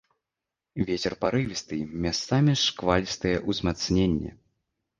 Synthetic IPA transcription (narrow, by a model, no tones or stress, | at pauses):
vʲet͡sʲɛrpaɾɨvʲist̪ɨmʲast̪samʲɛʂkvalʲist̪ɨjɛʔuzmat̪snʲenʲːɛ̰